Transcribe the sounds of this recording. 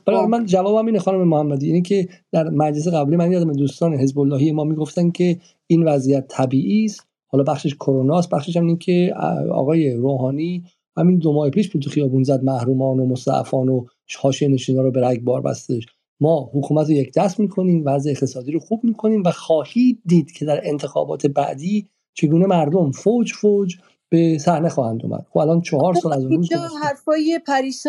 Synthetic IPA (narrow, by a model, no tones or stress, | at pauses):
b̥æɾmænd͡ʒævɒːbæmiːnexɒːnomemohæmːæd̪iːiːnecʰe̞d̪̥æɾmæd͡ʒles̬eɣæbliːmænjɒːd̪æmed̪uːst̪ɒːneɦe̞zbolːɒːhijemɒːmiːɡo̞ft̪æncʲʰe̞ | iːnvæzijæt̪ʰːæbiːʔiːst̪ | hɒːlɒːbæxʃeʃkʰoɾonɒːst̪bæxʃeʃ̬æmincʰeɒ̰ɣɒːje̞ɾoːɦɒːniː | hæmind̪omɒːhepʰiːʃpʰut̪ʰuxijɒːbuːnzæd̪̚mæhɾuːmɒːnomost̪æ̰ʔfɒːno | hɒːʃieneʃiːnɔːɾobeɾæɡbɒːɾbæ̰st̪e̞ʃ | mɒːhukʰuːmæt̪ɾoje̞cʰd̪æsmiːkʰo̞niːmvæzʔeːxt̪ʰe̞sɒːd̪iːɾoxuːb̚miːkʰo̞niːmvæxɒːhiːd̪̚d̪iːd̪̥cʰe̞d̪æɾe̞nt̪ʰe̞xɒ̰ːbɒːt̪ʰe̞bæ̰ʔd̪iː | t͡ʃʰe̞ɡuːne̞mæɾd̪omfod͡ʒfod͡ʒ | b̥esæhne̞xɒːhænd̪o̰mʔæ̰d̪̥xobælɒːnt͡ʃʰɒhɒːɾsɒːlæzunuːzhæɾfɒːjepʰæɾiːs